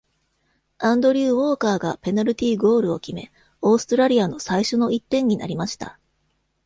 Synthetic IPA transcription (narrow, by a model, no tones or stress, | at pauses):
ãnd̪o̞ɾʲɯːβo̞ːkaːɡape̞naɾʲɯ̟t̪ʲiːɡo̞ːɾɯ̟o̞̰kʲime̞̰ | o̞ːsɨ̥t̪oɾaɾʲiano̞saiɕo̞no̞it̪ːẽ̞ɲ̟ːina̰ɾʲimaɕi̥t̪a̰